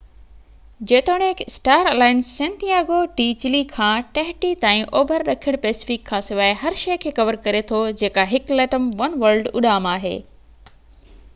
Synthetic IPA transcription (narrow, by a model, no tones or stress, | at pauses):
d͡ʑeːt̪oːɽ̃eksʈaːɾeːlaːɪnsːẽːnt̪ijaːɡoʈiːt͡ɕɪlikʰãːʈɐɦʈit̪ãːĩʔoːbʱəɾɗɐkʰiɪəɽ̃peːsɪ̥fɪkʰːãːsɪʋaːɪɦɐɾʃɐjkʰeːkɐʋəɾkɐɾet̪ʰod͡ʑeːkaɦɪklɛːʈəmʋɐnʋɐɾlɖʊ̰ɗaːmaːɦḛː